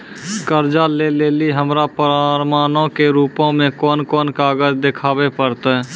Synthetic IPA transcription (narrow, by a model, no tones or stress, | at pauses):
kəɾd͡ʒaleleːliɦəmɾapəɾaɾmaːnõkeɾuːpõmẽkɔːnkɔːnkaːɡəd͡ʒd̪ekʰaːbepəɾt̪ː